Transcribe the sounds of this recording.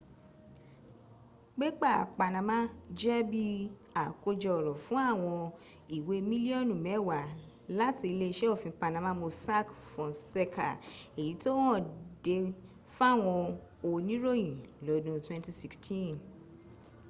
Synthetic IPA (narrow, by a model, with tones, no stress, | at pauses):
ɡ͡bɛ˦k͡pa˦˨k͡pa˨nã˨mã˦d͡ʒɛ˦bi˦a˨ko˧d͡ʒɔ˨ɾɔ˨fũ˦a˦˨w̃ɔ̃˧ | i˨we˨˦mĩ˦li˦ɔ̃˦˨nũ˨mɛ̃˨˦˨wa˨ | la˦ti˧le˧ʃɛ˦o˦˨fĩ˧pa˧nã˨mã˦mo˧sa˦kfɔ̃˨se˧kʰa̰˨e˨ji˨˦to˦w̃ɔ̃˦˨de˧ | fa˦˨w̃ɔ̃˧ | o˧nĩ˨˦ɾo˦˨jĩ˨lɔ˨˦dũ˦twɛ̃˦nti˦si˧kstʰĩ˦˨n